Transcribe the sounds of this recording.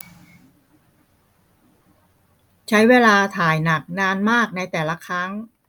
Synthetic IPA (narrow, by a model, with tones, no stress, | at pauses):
t͡ɕʰa˦˥jweː˧laː˧t̪ʰaː˨˩jna˨˩k̚naː˧nmaː˥˩k̚na˧jt̪ɛː˨˩la˦˥kʰɾa˦˥ŋ